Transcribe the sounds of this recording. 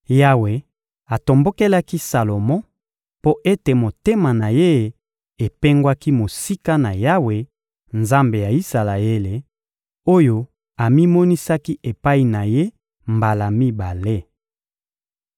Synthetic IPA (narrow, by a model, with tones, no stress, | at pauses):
ja˦we˨ | a˨to˨mbo˦ke˦la˦ki˦sa˨lo˨mɔ̃˦ | po˦ʔe˦te˨mo˨te˦ma˨na˨je˦˨ | e˨pe˦ŋɡwa˦ki˦mo˨si˦ka˦na˨ja˦we˨ | nza˦mbe˨ja˨i˦sa˨la˨e˦le˨ | o˦jo˦ | a˨mi˦mɔ˦ni˦sa˦ki˦ʔe˨pa˦i˨na˨je˦ | mba˨la˨mi˦ba˨le˦